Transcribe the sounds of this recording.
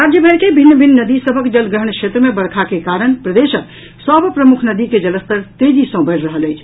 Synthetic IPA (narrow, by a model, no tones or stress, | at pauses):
ɾad͡ʒjəbʱənkebʱinːəbʱinːəd̪isəbʱəkd͡ʒəlɡɾəɦəɳkʃʰet̪ɾəmebəɽkʰakekaɾənpɾəd̪eʃək | səbpɾəmukʰnəd̪iked͡ʒələst̪əɾt̪ed͡ʒisə̃bəɾɾəɦələjt͡ʃʰ